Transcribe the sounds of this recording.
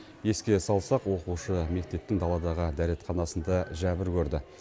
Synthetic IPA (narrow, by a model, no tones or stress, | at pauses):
je̞skʲe̞sɑlˠsɑqwo̞quʃəme̞k̚t̪e̞p̚t̪ɪŋd̪ɑlˠɑd̪ɑʁəd̪æɾe̞t̪χɑnɑsənd̪ɑʒæbɪɾkʲʰɵɾd̪ɪ